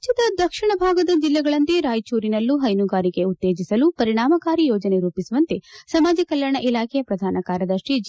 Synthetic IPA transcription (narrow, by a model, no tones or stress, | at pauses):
t͡ʃɐd̪ɐd̪ɐkʂiɳɐbʱaːɡɐd̪ɐd͡ʒilːɛɡɐɭɐnt̪eɾaːjt͡ʃuːɾinɐlːuɦɐjnuɡaːɾiɡe̞ut̪ːeːd͡ʒisɐlupɐɾiɳaːmɐkaːɾijɔːd͡ʒɐne̞ɾuːpisuʋɐnt̪esɐmaːd͡ʒɐkɐljɐɳɐʔilaːkʰɛjɐpɾɐd̪ʱaːnɐkaːɾjɐd̪ɐʃɾid͡ʒ